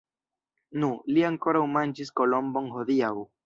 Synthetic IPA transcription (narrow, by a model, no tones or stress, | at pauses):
nuliaŋko̞ɾawmand͡ʒisko̞lo̞mbo̞ŋho̞d̪iaw